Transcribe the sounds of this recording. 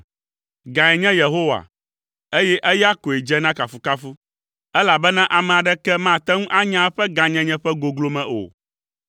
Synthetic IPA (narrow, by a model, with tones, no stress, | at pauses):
ɡã˨ɛ˨ɲɛ̃˦je˨ɦo˦wa̰˨ | e˦jɛ˦ʔɛ˦ja˦ko˨e˨d͡ʒɛ˦nã˦ka˨fu˨ka˦fu˦ | ɛ˦la˨bɛ˦nã˦ʔa˨mɛ̃˨a˨ɖɛ˦kɛ˦mã˦˨t̪ɛ˦ŋũ˦ʔa˦ɲã˦ɸɛ˦ɡã˨ɲɛ̃˦ɲɛ̃˦ɸɛ˦ɡo˨ɡlo˦mɛ̃˨ʔo̰˨